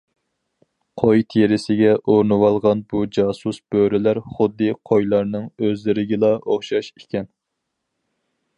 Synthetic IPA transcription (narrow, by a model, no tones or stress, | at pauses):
qʰojt̪ʰeɾɪsɪɡʲɛʔoɾnɨwɑlˠʁɑnbud͡ʒɑːsusb̥øɾɪlæɾχʊd̪ːɨqʰojlˠɑɾnɨŋøzlɪɾɪɡʲɪlˠɑʔoχʃɑʃikʲɛn